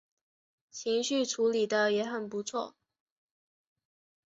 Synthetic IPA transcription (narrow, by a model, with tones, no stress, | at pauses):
t͡ɕʰi˧˥ŋɕy˥˩ʈ͡ʂʰu˧˥li˨˩d̪ə˦jɛ˧˥xə˨˩npu˧˥t͡sʰwɔ˥˩